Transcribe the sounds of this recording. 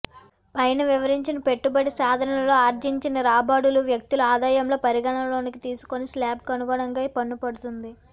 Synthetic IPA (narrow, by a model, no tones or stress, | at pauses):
ɐjnɐʋiʋɐɾiɲt͡ʃinɐpe̞ʈːubɐɽisaːd̪ʱɐnɐɐlo̞ːaːɾd͡ʒiɲt͡ʃinɐɾaːbaːɽuluʋjɐk̚t̪uluaːd̪aːjɐmlo̞ːpɐɾiɡɐɳɐlo̞ːnikit̪iːsu̥ko̞nislaːb̚kɐnuɡɔːɳɐŋɡaːpɐnːupɐɽut̪und̪i